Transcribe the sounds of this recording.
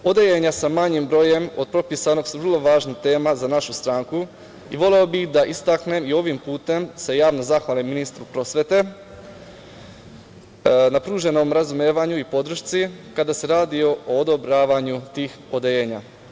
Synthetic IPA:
o̞d̪ejeɲasamaɲimbɾo̞ːje̞mo̞d̪̚pɾo̞pisano̞ɡsuʋər̩lˠo̞ʋaːʒnit̪e̞ːmazanaʃust̪ɾaŋku | ḭʋo̞le̞o̞bixd̪aʔist̪akne̞mio̞ʋimpuːt̪e̞mse̞jaːʋno̞zaxʋaːliminist̪ɾupɾo̞sʋe̞t̪e̞ | napɾuːʒe̞no̞mɾazumeːʋaɲuipo̞d̪ɾ̩ʃt̪sikad̪ase̞ɾaːd̪io̞oːd̪o̞bɾaːʋaɲut̪iːxod̪ejeːɲa̰

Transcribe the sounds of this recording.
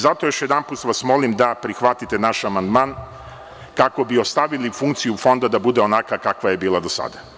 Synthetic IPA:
zat̪ojo̞ʃjed̪anpuːt̪ʋasmo̞limd̪apɾixʋat̪it̪e̞naʃamand̪maːn | kako̞bio̞st̪aʋilifuŋkt̪sijufo̞nd̪ad̪abud̪eo̞nakakakʋaje̞biːlˠad̪o̞sa̰d̪a

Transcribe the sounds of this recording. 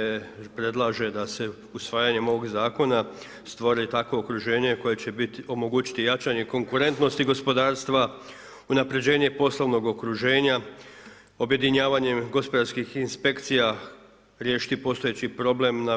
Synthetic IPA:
pɾe̞d̪lˠaʒe̞d̪ase̞ | usʋaːjaɲe̞mo̞ʋo̞ɡzaːko̞na | st̪ʋoɾit̪akʋo̞ːkɾuʒe̞ːɲe̞ko̞jet͡ɕe̞bit̪io̞mo̞ɡuːt͡ɕi̥t̪ijat͡ʃaɲe̞ko̞ŋkuɾe̞nt̪no̞st̪iɡo̞spo̞d̪aːɾst̪ʋa | unapɾe̞d͡ʑe̞ːɲe̞po̞sloʋno̞ɡo̞kɾuʒe̞ːɲa | o̞bje̞d̪iɲaːʋaɲe̞mɡo̞spo̞d̪aɾskixinspe̞kt̪sija | ɾje̞ːʃi̥t̪ipo̞ːst̪ojet͡ɕipɾo̞ble̞mna

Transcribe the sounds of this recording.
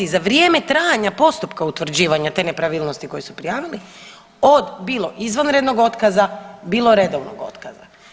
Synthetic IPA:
izaʋɾje̞ːmet̪ɾaːjaɲapo̞st̪upkaut̪ʋr̩d͡ʑiːʋaɲat̪e̞ːne̞pɾaʋiːlˠnost̪iko̞jesupɾijaːʋili | od̪biːlˠo̞ʔizʋanɾe̞d̪no̞ɡo̞t̪kazabiːlˠo̞ɾe̞d̪oʋno̰ɡo̞̰t̪kaza

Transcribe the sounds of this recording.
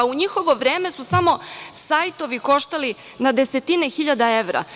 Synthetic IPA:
uɲixo̞ʋo̞ʋɾe̞ːme̞susamo̞sajt̪o̞ʋiko̞ʃt̪ali | nad̪e̞se̞t̪ine̞xiʎad̪ae̞ʋɾa̰

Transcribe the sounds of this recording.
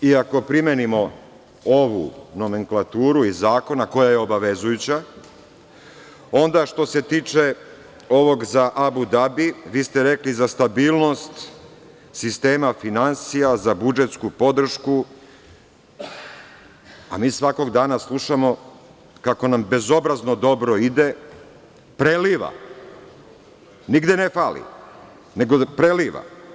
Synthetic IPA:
iako̞pɾime̞nimo̞ | oʋṵno̞me̞ŋklˠat̪uːɾuizaːko̞nako̞jaje̞o̞baʋe̞zujut͡ɕa | o̞nd̪aʃt̪o̞se̞t̪iːt͡ʂe̞ | o̞ʋo̞ɡzaʔabud̪abiʋiːst̪eɾe̞klizast̪abiːlˠno̞st̪ | sist̪e̞ːmafinansijazabud͡ʒet̪skupo̞d̪r̩ʃku | a̰miːsʋako̞ɡd̪aːnaslˠuʃamo̞ | kako̞nambe̞zo̞bɾaznod̪o̞bɾoid̪e̞ | pɾeliːʋa̰ | niɡd̪enefaːlḭ | ne̞ɡopɾeliʋa̰

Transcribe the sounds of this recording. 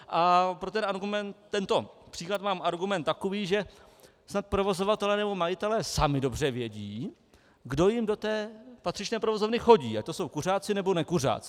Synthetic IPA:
ʔapɾot̪ɛnaɾɡumɛnt̪ːɛnt̪o̞pr̥iːklat̪maːmaɾɡumɛnt̪t̪ːakoviːʒɛ | snat̪̚pɾo̞vo̞zo̞vat̪ɛlɛːnɛbo̞majɪt̪ɛlɛːsamɪdo̞br̝ɛvjɛɟiː | ɡdo̞jɪmdo̞t̪ɛːpat̪r̥ɪt͡ʃnɛːpɾovo̞zovnɪxo̞ɟiːat̪oso̞wkur̝aːt͡sɪnɛbo̞nɛkur̝a̰ːt͡sɪ

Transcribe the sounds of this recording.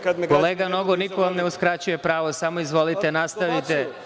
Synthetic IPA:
kkoleːɡano̞ɡonikoʋamneuskɾat͡ɕuje̞pɾaːʋo̞samoizʋo̞lit̪enast̪aʋit̪e

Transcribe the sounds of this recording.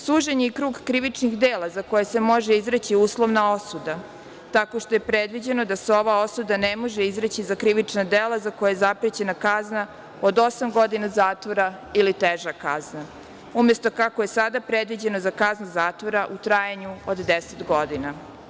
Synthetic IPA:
suːʒeɲeikɾuːɡkɾiʋit͡ʂnixd̪eːlˠazako̞jese̞mo̞ʒeizɾet͡ɕiuːslˠo̞ʋnao̞sud̪a | t̪ako̞ʃt̪oje̞pɾed̪ʋid͡ʑe̞no̞d̪aseo̞ʋao̞sud̪anemo̞ʒeizɾet͡ɕizakɾiʋit͡ʂnad̪elazako̞jajezapɾet͡ɕe̞nakazna | od̪o̞samɡo̞d̪inazaːt̪ʋo̞ɾailit̪eʒakazna | umje̞st̪o̞kakoje̞sad̪apɾed̪ʋid͡ʑe̞nozakaznuzaːt̪ʋo̞ɾaʔut̪ɾaːjaɲuod̪d̪eset̪ɡo̞d̪ina

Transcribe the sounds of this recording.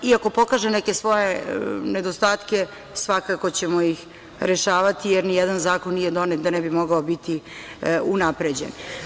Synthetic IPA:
iako̞po̞kaʒenɛkesʋo̞jened̪ost̪aːt̪ke̞ | sʋakakot͡ɕemo̞ix | ɾeʃaːʋat̪ijeɾnijɛd̪anzaːkonːijed̪o̞net̪̚d̪anɛbimo̞ɡaobit̪i | unapɾed͡ʑḛn

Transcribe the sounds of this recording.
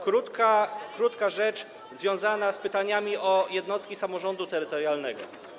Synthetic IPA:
kɾut̪kakɾut̪kaʐɛt͡ʂ | zvʲjɔ̃w̃zanaspɘt̪aɲamʲiʔɔjɛd̪nɔst̪kʲisamɔʐɔnd̪ut̪ɛɾɘt̪ɔɾjalnɛɡɔ

